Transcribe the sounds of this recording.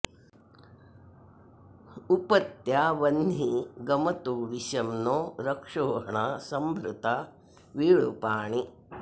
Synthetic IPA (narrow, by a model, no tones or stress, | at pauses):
upɐt̪jaːʋɐnd̪ʱiɡɐmɐt̪uːʋiʃɐmnoːɾɐkʂoːɦɐɳaːsɐmbʱɾut̪a | ʋiːɭupaːɳi